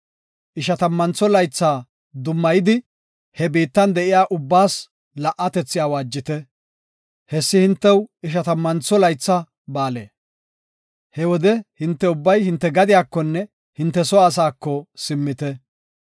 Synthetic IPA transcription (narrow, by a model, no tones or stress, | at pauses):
ʔɪʃɐt̪ɐmːɐnt͡sːɔlɐjt͡sːaː | d̪ʊmːɐjɪd̪ɪ | hɛbiːt̪ːɐnd̪ɛʔɪjaːʔʊbːaːs | lɐʔɐt̪ɛt͡sːɪjaːwaːd͡ʒːɪt̪ɛ | hɛsːɪhɪnt̪ːɛwɪʃɐt̪ɐmːɐnt͡sːɔlɐjt͡sːɐ | baːlḛː | hɛwɔd̪ɛhɪnt̪ːɛʊbːɐjhɪnt̪ːɛɡɐd̪ɪjaːkːɔnːɛ | hɪnt̪ːɛsɔːs̬aːkːɔsɪmːɪt̪ɛ